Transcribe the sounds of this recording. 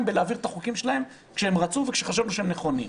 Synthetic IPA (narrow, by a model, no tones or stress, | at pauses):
mbelaaːviʁet̪aχukimʃelahe̞m | kʃeemʁat͡suvekʃeχaʃavnuʃeemneχo̞nḭ